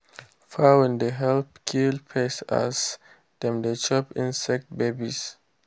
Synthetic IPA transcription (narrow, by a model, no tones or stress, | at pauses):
fawɛ̃ndəɦɛlpkʰilpʰɛsa̰s | d̥ɛ̃mdət͡ʃɔpĩnsɛk̚t̚bebḭs